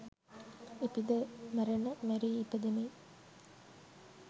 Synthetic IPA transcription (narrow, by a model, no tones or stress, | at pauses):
ipid̪əmæɾenəmeɾiːped̪ene